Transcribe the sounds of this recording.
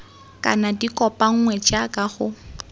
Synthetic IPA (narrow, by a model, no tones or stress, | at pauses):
kʼa̰nadikʼɔpʼaŋ̩ŋwɛt͡ʃʼakʼaχʊ